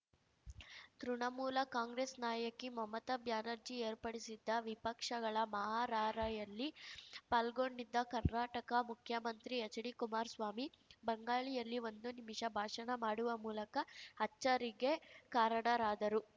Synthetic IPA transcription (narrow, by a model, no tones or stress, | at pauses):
t̪ɾuɳɐmuːlɐkaːŋɡɾeːsnaːjɐkimɐmɐt̪ɐbjaːnɐɾd͡ʒie̞ːɾpɐɽisid̪ːɐʋipɐkʂɐɡɐɭɐmɐɦaːɾaːɾɐjɐlːipaːlɡoɳɖid̪ːɐkɐɾnaːʈɐkɐmukʰjɐmɐnt̪ɾiɐt͡ʃɐɽikumaːɾsʋaːmibɐŋɡaːɭijɐlːiʋo̞nd̪unimiʂɐbʱaːʂɐnɐmaːɽuʋɐmuːlɐkɐɐt͡ʃːɐɾiɡekaːɾɐɳɐɾaːd̪ɐɾu